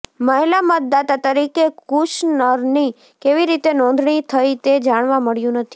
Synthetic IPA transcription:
məɦlamət̪̚d̪at̪at̪əɾikekuʃnəɾni | keʋiɾit̪enɔ̃nd̪ʱɳ̃it̪ʰəit̪ed͡ʒaɽ̃ʋãməɽjũnət̪ʰi̥

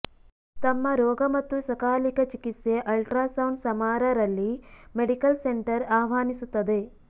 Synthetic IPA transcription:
t̪ɐmːɐɾɔːɡɐmɐt̪ːusɐkaːlikɐt͡ʃikit̪seʔɐlʈɾaːsɐwɳɖsɐmaːɾɐɾɐlːimeɽikɐlseɳʈɐɾaːʋaːnisut̪ːɐd̪e̞

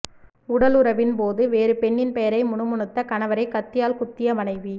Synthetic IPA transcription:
ʊɽɐlʊɾɐʋɪnpoːðɯʋeːɾɯpɛɳːɪnpɛjɐɾɐɪmʊɳɯmʊɳɯt̪ːɐkɐnɐʋɐɾɐɪkɐt̪ːɪjaːlkʊt̪ːɪjɐmɐnɐɪʋi

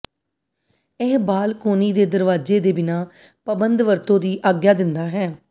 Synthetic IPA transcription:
ɛːɦbaːlkoːniːd̪eːd̪əɾʋaːd͡ʒeːd̪eːbɪnaː | pəbənd̪ʋəɾt̪õːd̪iːʔaːɡjaːd̪ɪnd̪aːɦɛː

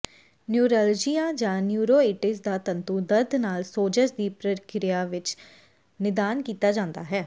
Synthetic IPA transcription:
njuːɾəld͡ʒiːaːd͡ʒãːnjuːɾoːeːʈɪsd̪aːt̪ənt̪uːd̪əɾd̪naːlsoːd͡ʒəʃd̪iːpɾəkɾɪjaːʋɪt͡ʃ | nɪd̪aːnkiːt̪aːd͡ʒãːnd̪aːɦɛː

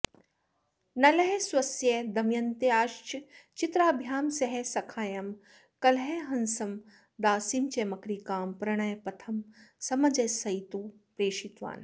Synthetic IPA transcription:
nɐlɐɦeswɐsjɐd̪ɐmjɐnt̪eaːʃt͡ʃt͡ʃit̪ɾaːbʱjaːnsɐɦesɐkʰaːjɐm | kɐlɦeɦɐnsɐm | d̪aːsimt͡ʃɐmɐkɾiːkaːmpɾɐɽ̃ɐjɐpɐt̪ʰɐmsɐmɐd͡ʒɐsɐjt̪uː | pɾeːʃit̪ʋa̰ːn

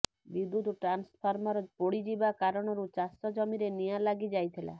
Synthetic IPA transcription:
bid̪ːut̪ʈɾanspʰɔɾmɔɾɔpoɽid͡ʒibakaɾɔɽ̃ɔɾut͡ʃasɔd͡ʒɔmiɾenijalaɡid͡ʒajt̪ʰila̰

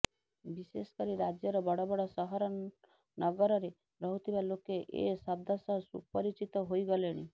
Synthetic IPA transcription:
biseskɔɾiɾad͡ʒjɔɾɔbɔɽɔbɔɽɔsɔɦɔɾɔ | nɔɡɔɾɔɾe | ɾɔɦut̪ʰibalokeʔḛsab̚d̪ʱasɔɦsṵpɔɾit͡ʃit̪ɔɦoiɡɔleɽ̃i

